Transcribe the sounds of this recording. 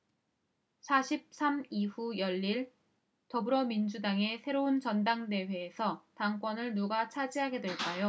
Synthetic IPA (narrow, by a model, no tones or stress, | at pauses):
sʰaɕʰip̚s͈ʰamiɸujʌʎːiɭ | tʌbɯɾʌmind͡ʑudaŋe̞sʰe̞ɾoɯnt͡ɕʌndaŋde̞ɸe̞ːsʰʌtaŋk͈wʌnɯɭnuɡat͡ɕʰad͡ʑiɦaɡe̞dweɭk͈ajo